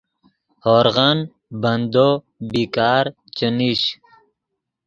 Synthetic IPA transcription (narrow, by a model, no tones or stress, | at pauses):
hoːɾɣɐn | bɐnd̪o | biːkaːɾ | t͡ɕəniɕ